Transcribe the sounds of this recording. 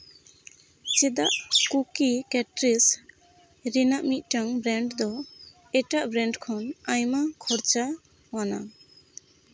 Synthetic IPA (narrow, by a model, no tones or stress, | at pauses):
t͡ʃɛd̪aʔkukikɛʈɾis | ɾinaʔmit̪̚ˀʈaŋbɾɛɳɖd̪ɔ | ɛʈaʔbɾɛɳɖkʰɔnajmakʰɔɾt͡ʃa | wana̰